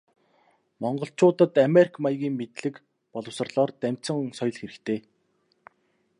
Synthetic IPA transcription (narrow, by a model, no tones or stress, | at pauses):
mɔɴɢɞ̆ɬt͡ɕʊːt̪ə̆t̪ameɾʲikʰmajɣʲiːŋmet̪ɮɘ̆k | pɔɮɞ̆wsə̆rɮɔːrt̪æm̥ʲt͡sə̆ŋsɔjɮxeɾɘ̆kt̪ʰeː